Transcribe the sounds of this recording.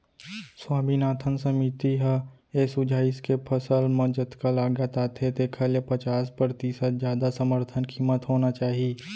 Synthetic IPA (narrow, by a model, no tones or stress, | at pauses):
swaːminaːt̪ʰənsəmit̪iɦ | esʊd͡ʒaːɪskepʰəsəlmɐd͡ʒət̪kalaːɡat̪at̪ʰet̪ekʰəlepət͡ʃaːspɾɾət̪isət̪zjaːd̪asəməɾt̪ʰənkʰiːmət̪ɦoːnat͡ʃaːɦieː